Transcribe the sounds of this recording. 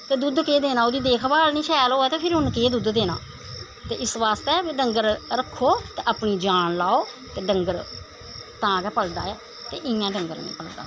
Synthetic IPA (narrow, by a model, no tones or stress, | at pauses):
t̪eːd̪ʊd̪keːd̪eːnãːod̪iːd̪eːkʰbaːlnĩːʃʰɛːloːɛːt̪eːpʰɪɾɦʊnkeːd̪ʊd̪d̪eːna̰ː | t̪ḛːʔɪsʋaːst̪eːɛːbiːɖəŋɡəɾɾəkʰːoːt̪eːʔəpniːd͡ʒaːnlaːoː | t̪eːɖəŋɡəɾ | t̪ãːkɛːpəld̪a̰ːɛː | t̪eːʔɪjãːɖəŋɡəɾnḭ̃ːpəld̪a̰ː